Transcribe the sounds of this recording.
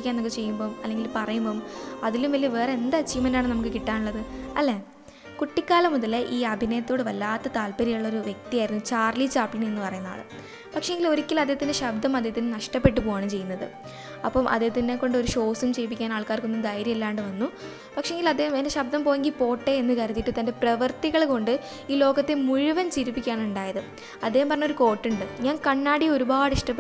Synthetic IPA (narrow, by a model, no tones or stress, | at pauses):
kʲːanːokːet͡ɕe̞jːumbo̞ːmɐlːe̞ŋɡilpɐrɐjumbo̞ːmɐðilumʋɐlːiʋe̞ːreend̪aːt͡ɕːijumːɐnːaːɳɨnɐmuk̬ːɨkiʈːaːnuɭːɐðɨɐlːe̞ | kuʈːikʲːaːlɐmuðɐleʔiːɐbʱineːt̪ːjoːɽeʋɐlːaːt̪ːɐt̪aːlpɐɾijuɭːo̞ɾuʋje̞k̚t̪ijaːjiɾunːut͡ɕaːrlit͡ɕaːplinenːɨpɐrɐjunːa̰ːɭɨ̰ | pɐkʂeeŋɡilo̞ɾikʲːilɐd̪et̪ːinɨɕɐbd̪ʱɐmɐd̪et̪ːinːenɐʂʈɐpːe̞ʈ̬ːɨpoːɣaːɳɐmt͡ɕe̞jːunːɐðɨ̰ | ɐ̰pːɐmʔɐ̰d̪et̪ːinːekːo̞ɳɖɨo̞ɾuʂo̞ːsumt͡ɕejp̬ikʲːaːnaːɭkaːrkonːud̪ɐjɾjɐmelːaːɳɖɨʋɐnːu | pɐkʂeeŋɡilɐd̪ːeːhmendeɕɐb̚d̪ɐmpo̞ːɣeŋɡilpo̞ːʈːeenːɨkɐɾɐt̪ːiʈːɨt̪ɐnde̞prɐʋɐrt̪iɣɐɭko̞ɳɖɨ | iːlo̞ːɣɐt̪ːemuɻuʋɐnt͡ɕiɾupːikʲːaːɳuɳɖaːjɐðɨ | ɐd̪ːeːhumpɐrɐɲːo̞ɾuko̞ːʈːuɳɖɨɲaːnkɐɳːaːɽio̞ɾubaːɽiʂʈɐpː